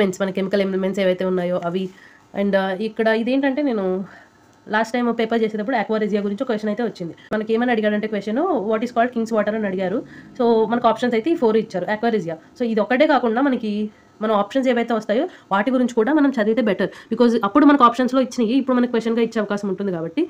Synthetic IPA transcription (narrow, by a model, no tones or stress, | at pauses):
mensmɐnɐkemikɐlemmenseːʋɐjt̪e̞ːunːaːjo̞ːʔɐʋi | ɐ̰ɳɖikːɐɽɐid̪e̞ːɳʈɐɳʈe̞ːne̞ːnu | laːsʈːɐjmpeːpɐɾt͡ʃeːseːd̪ɐpːuɽueːkʋaːɾid͡ʒijaːɡuɾiɲt͡ʃiɔkʋesʈːjɐnɐjt̪e̞ːʋɐt͡ʃːind̪imɐnɐke̞ːmɐniɐɽiɡaːɽɐɳʈe̞ːkʋesʈjɐnuʋaːʈiːskaːlɖkiŋɡsʋaːʈɐɾɐnɐɽiɡaːɾuso̞ːmɐnɐkaːpʂɐnsɐjt̪eːiːpʰoːɾuit͡ʃːaːɾueːkʋaːɾid͡ʒijaːso̞ːid̪iɔkːɐʈe̞ːkaːkuɳɖaːmɐnɐki | mɐnɐmaːpʂɐns̬eːʋɐjt̪e̞ːʋɐst̪aːjoːʋaːʈiɡuɾiɲt͡ʃi̥kuːɽaːmɐnɐmt͡ʃɐɾit̪e̞ːbɛʈɐɾbikɔːzɐpːuɽumɐnɐkaːpʂɐnslo̞ːit͡ʃːinɐjiipːuɽumɐnɐkikʋesʈːɐnɡaːit͡ʃːeːɐʋɐkaːsɐmuɳʈund̪ikaːbɐʈːi